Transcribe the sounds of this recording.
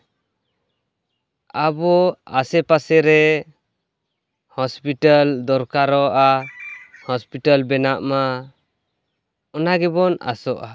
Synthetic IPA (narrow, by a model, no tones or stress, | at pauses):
abɔasɛpasɛɾɛ | hɔspiʈald̪ɔɾkaɾɔʔa | hɔspiʈalbɛnaʔma | ɔnaɡɛbɔna̰sɔʔa